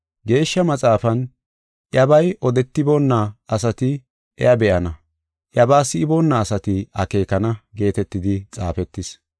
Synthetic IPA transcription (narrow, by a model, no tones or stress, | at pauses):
ɡe̞ːʃːɐmɐt͡sʼaːfɐn | ʔjɐbɐjʔɔd̪ɛt̪ːɪbonːɐɐsɐt̪ɪ | ʔɛ̰jɐbɛʔɐnɐ | ʔjɐbaːsɪɪbonːɐːsɐt̪ɪɐke̞ːkɐnɐɡe̞ːt̪ɛt̪ːɪd̪ɪt͡sʼa̰ːfɛt̪ːɪs